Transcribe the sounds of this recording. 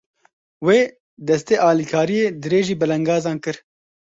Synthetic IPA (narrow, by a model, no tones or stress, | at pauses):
weː | d̪ɛst̪eːʔɑːlikʰɑːɾijeːd̪ɨɾeːʒiːbɨlɛŋɡɑːzɑːnkɨɾ